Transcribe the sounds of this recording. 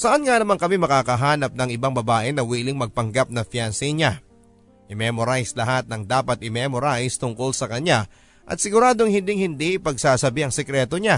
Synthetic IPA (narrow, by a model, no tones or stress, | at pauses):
sɐʔanŋanɐmaŋkɐmimɐkaːkɐɦaːnɐp̚nɐŋɪbaŋbɐbaːʔɪnɐwiːlɪŋmɐɡ̚pɐŋɡap̚nɐfjansɛɲa | ʔɪmɛmoɾajslɐɦat̪̚nɐŋd̪aːpɐt̪̚ɪmɛmoɾajst̪ʊŋko̞lsɐkɐɲa | ʔɐ̰t̪sɪɡʊɾaːd̪oŋhɪnd̪ɪŋhɪnd̪iʔpɐɡsaːsɐbiɐŋsɛkɾɛːt̪o̞ɲa